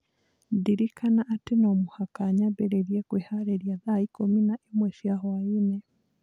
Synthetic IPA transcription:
diɾikanaʔːtenomohakaɲabeɾeɾjekwehaɾeɾjaðaikominaʔemwɛʃjaɦwaine

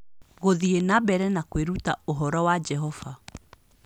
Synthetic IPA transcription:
ɣoðienabɛɾɛnakweɾutaoɦɔɾɔwad͡ʒɛɦɔva

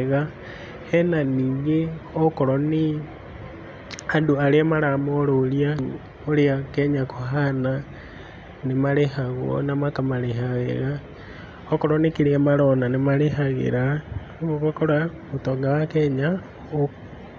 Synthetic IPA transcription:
ɣa | hɛnaniːŋɡeɔkoɾɔni | andoaɾeamaɾamoɾolia | oɾeakɛɲakʰoɦana | nemaɾehaɣwo̰namakamaɾeɦaɣḛɣa | okɔɾɔnekiɾeamaɾonanemaɾehaɣḛɾa | oɣakoɾa | otɔːŋɡawakɛɲa | o

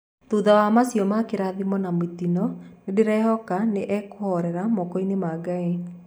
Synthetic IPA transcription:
t̪uðawamasjɔmakeɾaðimɔnamitinɔnedeɾɛhɔkaneʔɛkoɔɾɛɾamɔkɔinemaɡae

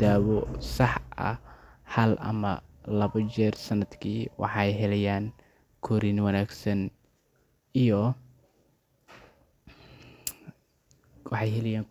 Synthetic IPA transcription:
d̪aːwɔsɑħʔɐ̰ | hɐlʔɐ̰mɐ | lɐβɐt͡ʃɛːrsɐnɐd̪kʰiːwɑ̰ħɑjɦɛlɛjaːŋ | kʰɔɾinwɐnaːɡsɐn | ijɔ | wɑħɑjɦɛlɛjaːŋ

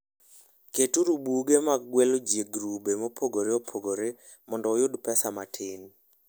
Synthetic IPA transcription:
ketuɾubuɡemaɡ̚ɡwelod͡ʒjeɡɾubemopʰoɡoɾeopʰoɡoɾe | mɔndɔːjʊdpɛsamatʰɪn

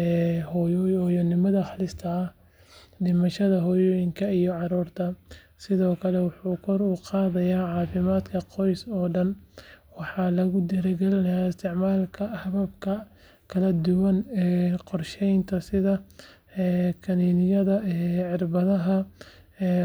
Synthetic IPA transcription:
ɛhjɔjɐnɪmɐðɐχɑlɪst̪ʰɐɐh | ɖɪmɐʃɐðɐɦɔːjɔːjɪŋkʰɐijɔʕɑɾuːrt̪ʰɐ | sɪðɔːkʰɐlɛwɑħuːkʰɔɾuːqɑːðɐjaːʕɑːfɪmaːd̪kʰɐqɔjsɔːɖɐnwɑħɑːlɐɣʊd̪ɛɾɛɡɛlɪnɐjaːɪst̪ʰɪʕmaːlkʰɐhɐβɐb̚kʰɐ | kʰɐlɐd̪ʊwɐnɛːqɔrʃɛjnt̪ʰɐsɪðɐ | kʰɐniːnɪjɐðɐɛːʕɪrbɐðɐɦɐː

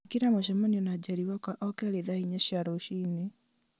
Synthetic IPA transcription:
kiɾamoʃ̬ɛmɔniɔnad͡ʑaɾiwakaʔɔkɛɾeðahiɲaɕjaɾoʃiːne

